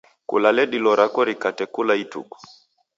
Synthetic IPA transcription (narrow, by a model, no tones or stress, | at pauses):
kṵlalɛɗilɔɾakɔɾikatɛkulaitṵkɔ̥